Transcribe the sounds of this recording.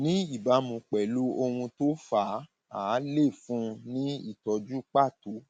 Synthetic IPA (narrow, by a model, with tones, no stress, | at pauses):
nĩ˨˦i˦˨ba˨˦mũ˧k͡pɛ˨lu˦o˧hũ˧to˦fa˨˦ | aː˨˦le˦˨fũ˧˦nĩ˦ḭ˦˨tɔ˧d͡ʒu˦k͡pa˦˨tu˨˦